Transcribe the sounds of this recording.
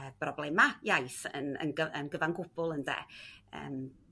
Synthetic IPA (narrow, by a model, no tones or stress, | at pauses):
əb̥rɔblˠɛmajajθə̰nə̰nɡəənɡəvanɡʊb̥ʊlˠəndɛ̰ə̰ːm